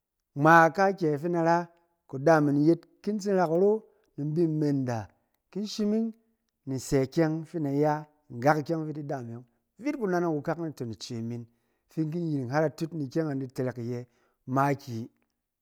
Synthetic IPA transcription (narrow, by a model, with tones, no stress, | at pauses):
ŋ͡ma˨ka˦kʲe˨fi˦na˧ɾa˦ | ko˨da˦˨mi˨n˨je˦t | ki˦n˦t͡s̬i˦n˦ɾa˧kɾo˦ | ni˨m˦bi˦m˦me˧˨nda˨ | ki˦n˦ʃi˦mi˦ŋ | ni˨se˨kʲe˦ŋfi˦na˨ja˦˨ | ŋ˨ɡa˦ki˧kʲe˦ŋvi˦ti˦da˦˨m˨e˨˦ | vi˦tku˦na˧na˦ku˧ka˦kni˦to˨ni˨t͡ʃe˨mi˨n | fi˦nk̬i˦n˦ji˨ɾi˨ŋɦa˦ɾa˧tu˦tni˨kʲe˦ŋa˨ndi˧te˧ɾe˨kje˧ | ma˦kʲi˨